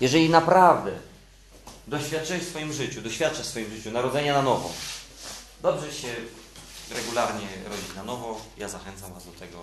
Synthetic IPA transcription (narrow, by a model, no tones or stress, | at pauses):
jɛʐɛlʲinapɾavd̪ɛ | d̪ɔɕfʲjat̪̚ːt͡ʂɘɛfsfɔjimʐɘt͡ɕud̪ɔɕfʲjat̪̚t͡ʂafsfɔjimʐɘt͡ɕunaɾɔd̪zɛɲananɔvɔ̰ | d̪ɔbʐɛɕɛ | ɾɛɡulaɾɲɛɾɔd͡ʑit͡ɕnanɔvɔjazaxɛnt̪samvazd̪ɔt̪ɛɡɔ̰